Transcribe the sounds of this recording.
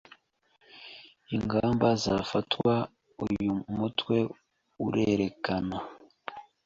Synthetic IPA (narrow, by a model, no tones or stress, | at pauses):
iŋɡaːmbazafatwa | ujumutwe̞ | uɾeɾe̞kana